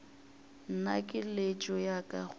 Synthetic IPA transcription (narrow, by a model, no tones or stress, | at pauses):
n̩nakʼɪlet͡ʃʼɔjakʼa̰χ